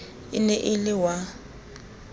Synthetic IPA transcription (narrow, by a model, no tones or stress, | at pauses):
ɪ̰nɛʔɪlɪwa